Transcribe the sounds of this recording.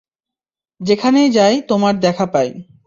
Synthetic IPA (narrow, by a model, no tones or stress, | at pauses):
d͡ʑekʰanejd͡ʑajt̪omaɾd̪ɛkʰapaj